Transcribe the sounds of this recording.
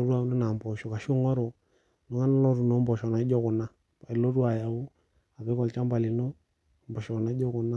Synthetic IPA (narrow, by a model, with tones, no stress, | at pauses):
o˦ɾu˦a˨˦no˦na˨m˨bɔ˨ʃɔ˨ka˨ʃu˦ŋɔ˦ɾo˨ | nu˨ŋa˦na˦lɔ˦ɾu˨no˦mbɔ˨ʃɔ˨na˨˦ɔ˦kʊ˨na˦ | pa˨i˨lo˦ɾu˦a˨ja˨wu˦ | a˨bɪ˦kɔ˨lt͡ʃa˦mba˨li˨no˦ | mbɔ˨ʃɔ˨na˦d͡ʒɔ˦kʊ˨na˦